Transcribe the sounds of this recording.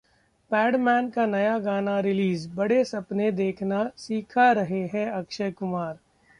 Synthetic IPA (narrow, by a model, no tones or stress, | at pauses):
pɛːɖmɛːnkanɐjaɡaːnaɾɪliːzbɐɽesɐpned̪eːkʰnasiːkʰaɾɐɦeɦɛ̃ɐkʃəjkʊmaːɾ